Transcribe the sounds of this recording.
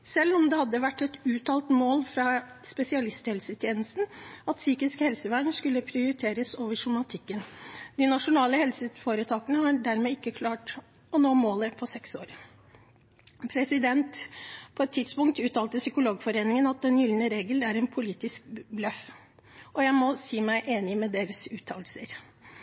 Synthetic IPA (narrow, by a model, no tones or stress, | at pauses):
sɛlːɔmd̪ɛhɑd̪ːəʋæʈːɛt̪ʉːt̪ʰɑːlt̪moːlfɾɑ | spɛsɪɑlɪst̪hɛlsət̪ʰjeːnəst̪n̩ɑt̪syːkɪskhɛlsəʋæɳəskʉlːəpʰɾɪʊɾɪt̪ʰeːɾəsoːʋəʂʊmɑt̪ʰɪkːənd̪̥ɪnɑʂʊnɑːləhɛlsəfoːɾət̪ʰɑːkənəhɑɖæɾmɛːɪkːəkʰlɑːʈ | ɔnoːmoːləpʰɔsɛkso̰ːɾ | pʰɾɛsɪd̪ɛnt̪pʰɔɛt̪ʰːɪd̪spʊŋk̚t̪ʉːt̪ʰɑːlt̪əsʏkʊloːɡfɔɾeːnɪŋənɑt̪̚d̪ɛnjɪlnəɾeːɡəlæɾɛnpʰʊliːt̪ɪsk̚blœf | ɔjæɪmɔsiːmæɪʔeːnɪmɛd̪eːɾəsʉːt̪ʰɑ̰ːl̩sə̰ɾ